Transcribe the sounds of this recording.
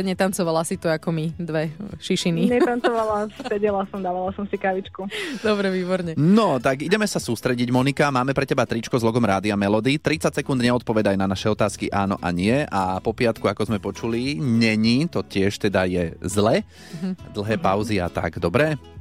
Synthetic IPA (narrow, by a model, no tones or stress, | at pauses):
ɲɛt̪ant͡sɔʋalasit̪uakɔmid̪ʋɛʃiʃiniɲɛt̪ant͡sɔʋalassɛɟɛlasɔmd̪aːʋalasɔmsikaʋit͡ʃkud̪ɔbɾɛʋiːbɔɾɲɛnɔt̪aɡiɟɛmɛsasuːst̪ɾɛɟiɟmɔnikamaːmɛpɾɛcɛbat̪ɾit͡ʃkɔzlɔɡɔmɾaːd̪iamɛlɔd̪it̪ɾit͡sacsɛkund̪ɲɛɔt̪̚pɔʋɛd̪ajnanaʃɛɔt̪aːskiʔaːnɔ̰ʔa̰ɲɪɛʔapɔpɪat̪kuakɔzmɛpɔt͡ʃuliɲɛɲiːt̪ɔcɪɛʃt̪ɛd̪ajɛzlɛ | d̪l̩ɦɛːpaʊzia̰t̪a̰ɡd̪ɔbɾɛ